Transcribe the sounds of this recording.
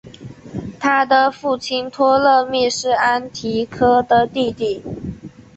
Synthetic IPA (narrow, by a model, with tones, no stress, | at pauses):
t̪ʰa˥d̪ə˨fu˥˩t͡ɕʰi˥nt̪ʰwɔ˥lɤ˥˧mi˥˧ʂɻ̩˥˩a˥nt̪ʰi˧˥kʰɤ˥d̪ə˨t̪i˥˧t̪i˥˩